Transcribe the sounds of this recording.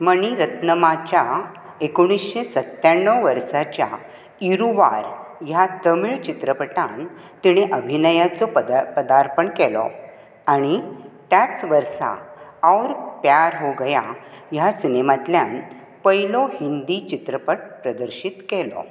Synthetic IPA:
məɳ̃iɾət̪nəmat͡ɕja | ekɽ̃isɕesət̪ːjaɳːəwʋəɾʂat͡ɕja̰ | iɾuʋa̰ɾjat̪əmiɭt͡ɕit̪ɾəpəʈan | t̪iɽ̃eʔəbʱinəjat͡sɔppəd̪aɾpəɳkɛlɔ̰ | aɽ̃it̪jat͡sʋəɾsa̰awɾpjaɾɦoɡəjajasinemat̪ljan | pəjilɔhind̪it͡ɕit̪ɾəpəʈ̚pɾəd̪əɾɕit̪kɛlɔ̰

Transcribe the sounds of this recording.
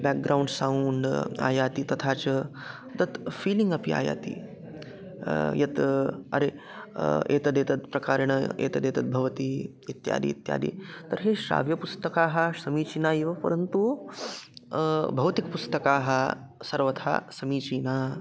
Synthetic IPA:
bɛk̚ɡɾauɳɖsauɳɖa̰ːjaːt̪it̪ɐt̪ʰaːt͡ʃɐ | d̪ɐt̪fiːliŋɡɐpia̰ːja̰ːt̪ḭ | jɐt̪ɐ̰ɾe | ḛːt̪ɐd̪eːt̪ɐt̪̚pɾɐkaːɾɐɳ̃ɐḛːt̪ɐd̪eːt̪ɐt̪̚bʱɐʋɐt̪i | it̪ja̰ːd̪ḭːt̪ja̰ːd̪ḭːt̪ɐɾɦeʃɾa̰ːʋjɐpust̪ɐkaːɦɐsɐmiːt͡ʃiːnaːiʋɐpɐ̰ɾənt̪u | bʱɐwt̪ikpust̪ɐkaːɦɐ | sɐɾʋɐt̪ʰa̰ːsɐmiːt͡ʃiːnaː

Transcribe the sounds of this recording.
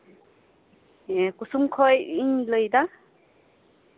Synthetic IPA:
ekusumkʰɔjinlɯjda

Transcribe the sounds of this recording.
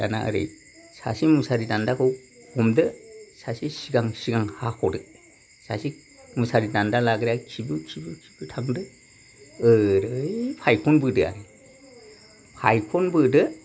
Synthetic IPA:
da̰na̰ʔɯ̰ɾɯ̰j | sa̰simusaɾidandakʰɯw | hɔmdɯsasisiɡaŋsiɡaŋhakʰɔdɯ | sasi | musaɾidandalaɡɾijakʰibɯkʰibɯkʰi̥bɯtʰaŋdɯ | ɯɾɯjpʰajkʰɔnbɯdɯa̰ɾɯ | pʰa̰jkʰɔnbɯdɯ

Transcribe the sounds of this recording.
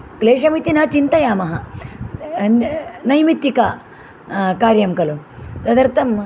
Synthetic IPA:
kleːʂɐmit̪inɐt͡ʃint̪ɐjaːmɐɦɐ | nɐjmit̪ːika | kaːɾjɐmkɐlut̪ɐd̪ɐɾt̪ɐm

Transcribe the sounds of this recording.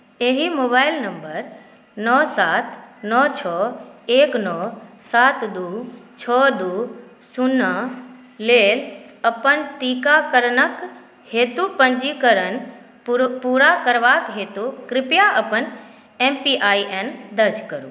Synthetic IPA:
eɦimoːbaːɪlnə̃mbəɾ | nɔsaːt̪nɔt͡ʃʰɔːeːknɔːsaːt̪d̪uːt͡ʃʰɔːd̪uː | sunə | leːləpənt̪iːkakəɾnək | heːt̪upə̃ɲd͡ʒikəɾən | puːɾakəɾʋaːkɦeːt̪ukɾɪpjaʔəpən | empiʔaːiʔend̪əɾd͡ʒkəɾṵː

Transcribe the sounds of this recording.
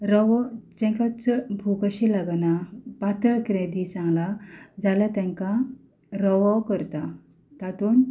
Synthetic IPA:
ɾɔʋɔd͡ʑɛ̃ŋkat͡sbʱukəɕilaɡnapat̪ɾəɭkɾẽd̪it͡sãŋɡlad͡zalət̪ɛ̃ŋka | ɾɔʋɔkəɾt̪a | t̪at̪uːn

